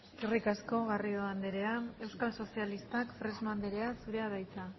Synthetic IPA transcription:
irikasko̞ɣario̞and̪eɾe̞ae̞wskalso̞sialist̪akfɾe̞zmand̪eɾe̞asuɾe̞aðajt͡sa

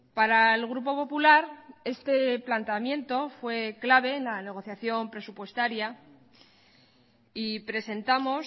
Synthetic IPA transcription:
paɾaelɣ̞ɾupo̞po̞pulaɾe̞st̪e̞plant̪eamjẽ̞nt̪o̞fwe̞klaβ̞e̞ːnlane̞ɣ̞o̞θjaθjo̞mpɾe̞supwe̞st̪aɾja | ipɾe̞se̞nt̪amo̞s

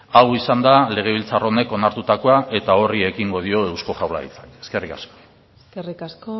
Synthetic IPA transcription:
aɣwisand̪ale̞ɣ̞e̞β̞ilt͡saro̞ne̞ko̞naɾt̪ut̪ako̞aʔe̞t̪ao̞rie̞kiŋɡo̞ð̞io̞e̞wsko̞ʝawla̰ḭt͡sḁke̞ske̞rikasko̞̥ | skerikasko

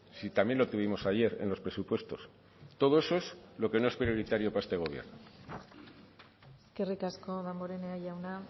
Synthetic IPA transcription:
sit̪amje̞nlo̞t̪uβ̞imo̞saʝe̞ɾe̞̰nlo̞spɾe̞supwe̞st̪o̞s | t̪o̞ð̞o̞e̞so̞e̞slo̞ke̞no̞espɾio̞ɾit̪aɾjo̞pae̞st̪e̞ɣ̞o̞β̞jḛɾno | eske̞rikasko̞ðamboɾeneaʎawna

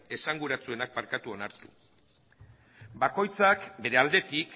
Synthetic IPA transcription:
e̞saŋɡuɾat͡sue̞nak̚maɾkat̪uo̞naɾt̪u̥̰ | bako̞jt͡sakbe̞ɾe̞ald̪e̞t̪ik

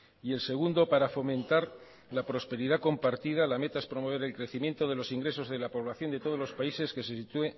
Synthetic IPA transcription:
ie̞lse̞ɣ̞und̪o̞paɾafo̞mẽ̞nt̪aɾ | lapɾo̞spe̞ɾiðako̞mpaɾt̪ið̞alame̞t̪ae̞spɾo̞mo̞β̞e̞ɾelkɾe̞θimje̞nt̪o̞ðe̞lo̞siŋɡɾe̞so̞zðe̞lapo̞β̞laθjo̞nd̪e̞t̪o̞ð̞o̞zlo̞spaise̞ske̞se̞sit̪ue̞

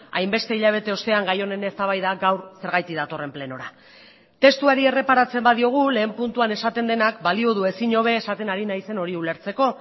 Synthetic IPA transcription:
a̰jmbe̞st̪e̞iʎaβ̞e̞t̪e̞o̞st̪e̞aŋɡajo̞ne̞nest̪aβ̞ajðaɡawɾse̞ɾɣajt̪iðat̪o̞re̞mple̞no̞ɾa | t̪e̞st̪uaɾie̞re̞paɾat͡se̞mbaðio̞ɣ̞ule̞ːmpunt̪uane̞sat̪e̞nd̪e̞nakbalio̞ð̞ue̞siɲo̞β̞e̞ːsat̪e̞naɾinajse̞no̞ɾiule̞ɾt͡se̞ko̞

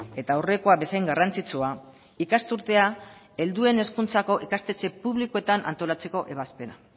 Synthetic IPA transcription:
e̞t̪aore̞koaβe̞sajŋɡarant͡sit͡sua | ikast̪uɾt̪e̞a | e̞ld̪ue̞ne̞skunt͡sako̞ʔikast̪e̞t͡se̞puβlikoe̞t̪anʔa̰nt̪o̞lat͡se̞ko̞ʔe̞βaspe̞na

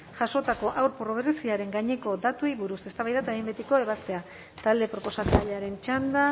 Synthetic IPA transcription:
ʝaʃo̞t̪ako̞ʔawɾporoβeresiaɾe̞ŋɡaɲe̞ko̞d̪at̪uiβuɾuse̞st̪aβajðat̪aembet̪iko̞e̞βast̪e̞a | t̪ald̪e̞pɾo̞po̞sat͡saʎeaɾe̞nt͡ʃand̪a

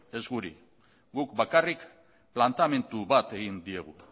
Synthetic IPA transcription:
e̞zɡuɾḭ | ɡukbakarik | plant̪ame̞nt̪uβat̪e̞ɣind̪ie̞ɣ̞u

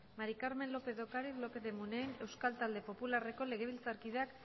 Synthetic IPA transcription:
maɾikaɾme̞nlo̞pe̞ðo̞kaɾiθlo̞pe̞ðemunejne̞wskalt̪ald̪e̞po̞pulare̞ko̞le̞ɣ̞e̞β̞ilt͡saɾkið̞eak

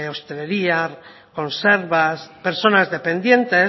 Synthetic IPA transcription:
owst̪ele̞ɾiaɾ | ko̞nseɾβaspe̞ɾso̞nazðepe̞nd̪je̞nt̪e

